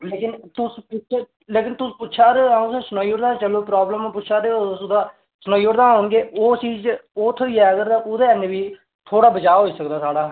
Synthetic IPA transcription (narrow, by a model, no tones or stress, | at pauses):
leːkɪnt̪ʊspʊt͡ʃ | leːkɪnt̪ʊspʊtːʃʰaːɾeãːõːsẽːsʊnaːiːoɾd̪aːt͡ʃəloːpɾaːbləmːpʊʃʰaːɾeosʊd̪aː | sənaːiːoɾd̪aːɦoːɳɡeːoːt͡ʃiːd͡ʒoːt̪ʰoːiːɛːəɡəɾt̪ãʔʊd̪eːəneʋiː | t̪ʰoːɽaːbət͡ʃaːɦoːiːsəkd̪aːsaːɽaː